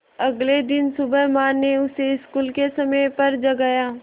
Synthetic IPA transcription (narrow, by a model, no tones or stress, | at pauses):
ɐɡled̪ɪnsʊbəɦmaːeʊseɪskuːlkesɐməpɐɾd͡ʒɐɡaːjaː